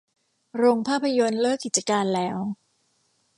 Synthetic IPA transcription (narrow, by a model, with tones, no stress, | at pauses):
ɾoː˧ŋpʰaː˥˩pʰːa˧jo˧nlɤː˥˩kːi˨˩t̪̚t͡ɕa˧kaː˧nlɛː˦˥w